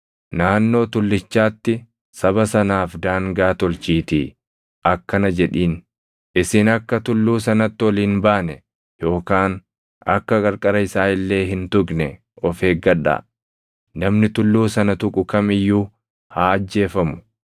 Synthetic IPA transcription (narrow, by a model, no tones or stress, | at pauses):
naːnːo̞ːt̪ʊlːɪt͡ʃːaːt̪ːɪ | sɐβɐsɐnaːfd̪aːŋɡaːt̪ɔlt͡ʃiːt̪ḭː | ʔɐkːɐnɐd͡ʒɛᶑiːn | ɪsɪnɐkːɐt̪ʊlːuːsɐnɐt̪ːɪwɔliːnbaːnɛ | jo̞ːkaːn | ɐ̰kːɐɡɐɾkʼɐɾɐjɪsaːʔɪlːe̞ːɦɪnt̪ʊɡnɛ | ɔfe̞ːɡɐᶑːa̰ː | nɐmnɪt̪ʊlːuːsɐnɐt̪ʊkʼʊkɐmɪjːuː | haːɐd͡ʒːe̞ːfɐmʊ̥